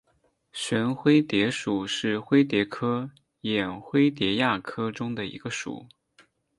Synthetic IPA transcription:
ɕɥɛ˧˥nxwe˥ɪt̪jɛ˧˥ʂu˨˩ʂɻ̩˥˩xwe˥ɪt̪̬jɛ˧˥kʰɤ˥ | jɛ˨˩nxwe˥ɪt̪jɛ˧˥ja˥˩kʰɤ˥ʈ͡ʂʊ˥ŋd̪ə˨ḭ˧˥ɡə˧ʂṵ˨˩˦

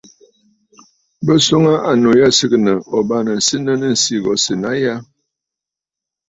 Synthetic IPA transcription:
bə˦so˦ŋa˦ʔa˨no˨ja˦sɨ˦knə˨ʔɔ˨ba˦nə˨n̩˨sɨ˦nə˦nə˦n̩˨si˦ɡɔ˨˦sɨ˨na˦ja˦

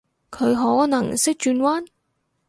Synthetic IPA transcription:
kʰɵ˨˧ɥɦɔː˨˥nɐ˨˩ŋsɪ˥k̚t͡ʃyː˧nwaː˥n

